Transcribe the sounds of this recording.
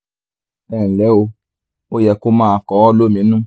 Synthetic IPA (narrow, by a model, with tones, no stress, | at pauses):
ɛ˦˨lɛ˨˦o˧ | o˦jɛ˧ko˦mãː˦˨kɔ˨˦wɔ˦lo˦mĩ˨˦nũ˦